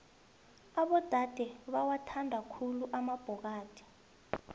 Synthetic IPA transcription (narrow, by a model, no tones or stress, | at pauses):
aɓɔd̥ʱad̥ʱɛɓawatʰandʱakʰuluʔamab̥ʱɔk̬aːd̥ʰʱʼi̥